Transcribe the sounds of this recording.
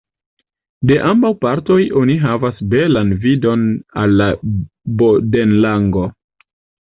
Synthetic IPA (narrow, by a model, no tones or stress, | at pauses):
de̞ʔambawpaɾto̞jo̞niɦavasbe̞lanvido̞nalːa | bodenlaŋɡo̞